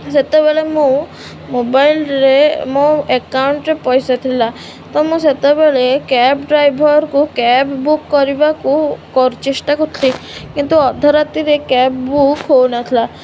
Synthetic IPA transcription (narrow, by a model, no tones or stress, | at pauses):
set̪ɔbeɭemũ | mobajlɾemɔ̃ekawɳʈɾepɔjsat̪ʰila | t̪ɔmũset̪ɔbeɭekɛpɖɾajbʱɔɾkukɛbbukːɔɾibakukɔɾt͡ʃiʂʈakɔt̪ʰlikint̪uɔd̪ʱɔɾat̪iɾekɛpbukɦownat̪ʰla